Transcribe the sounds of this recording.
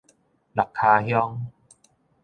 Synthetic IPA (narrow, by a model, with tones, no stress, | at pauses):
la˨˩kʰːaː˧hjɔ˦˥ŋ